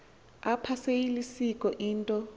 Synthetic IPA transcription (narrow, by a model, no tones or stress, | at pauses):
apʰasejilisikʼɔʔiːntʼɔ